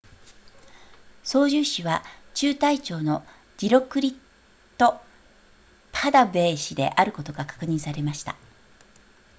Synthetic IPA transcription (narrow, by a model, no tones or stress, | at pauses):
so̞ːʑɨːɕiβat͡ɕɨːt̪ait͡ɕo̞ːno̞ | d͡ʑiɾo̞kɯ̟ɾʲit̪ː | o̞ | pʰad̪abe̞ːɕid̪e̞̰ʔaɾɯ̟ko̞t̪o̞ɡakḁkɯ̟ɲ̟ĩɰ̃saɾe̞maɕi̥t̪a̰